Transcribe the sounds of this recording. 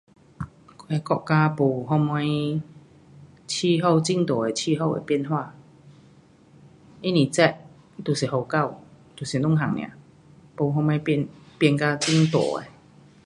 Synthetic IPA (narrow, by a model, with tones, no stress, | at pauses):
ke˧kɔ˧˨kkaː˧pu˨˩ɦɔ˧ma˧j | t͡ɕʰi˧ɦo˥˧wt͡si˧˥ŋt̪ɔ˨˩e˨˩t͡ɕʰi˧ɦo˥˧wḛ˧˩pi˧˨nɦwa˥˧˨ | i˦˥nĩ˨˩t͡sɛ˦˧˩ʔ̚ | t̪u˨˩si˨˩ho˨˩wka˥˧˨wt̪u˨˩si˨˩nʊ˥˨ŋɦa˨˩ŋnj̰ã̰˨ | po˨˩ɦɔ˧m˧a˧˦jpnpɛ˧nka˧t͡ɕi˥˧˨ŋt̪ɔ̰˨˩ḛ˨˧